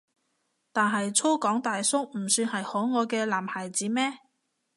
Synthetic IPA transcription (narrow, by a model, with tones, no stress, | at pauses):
t̪aː˨nɦɐ˨jt͡sʰo˥kɔː˨˥ŋt̪aː˨jsʊ˥ŋm̩˨˩syː˧nhɐ˨jhɔː˨˥ŋɔː˨˧kɛː˧laː˨˩mhaː˨˩jt͡siː˨˥mɛː˥